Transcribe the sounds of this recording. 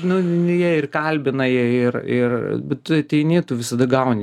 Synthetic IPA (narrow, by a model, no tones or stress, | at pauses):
nʊjiɛɪrkɐlʲbʲɪnɐjiɛɪrɪrbʲɛt̪t̪ʊɐt̪ʲɛɪnʲeːt̪uːʋʲɪsɐd̪ɐɡɐʊnʲɪ